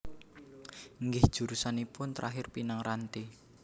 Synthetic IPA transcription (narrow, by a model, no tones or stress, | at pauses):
ŋɡɪhd̥ʒ̥ṳɾusanipʊnt̪ɾʔaɦɪrpinaŋɾant̪i